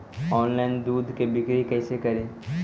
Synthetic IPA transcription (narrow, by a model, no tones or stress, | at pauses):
ɔːnlaɪnd̪uːd̪ʱkebɪkɾekɛːsekɐɾẽː